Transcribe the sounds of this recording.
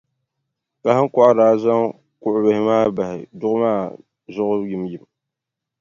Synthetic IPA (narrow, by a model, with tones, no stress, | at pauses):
ka˨hɨ˦ŋ˦kɔ˦ʔa˦daː˨˦za˦ŋ | kʊ˨ʔʊ˨bɨ˨hɪ˦maː˦ba˨hɪ˨dʊ˦ʔʊ˦maː˦˨ | zʊ˦ʔʊ˦ji˨mji˨m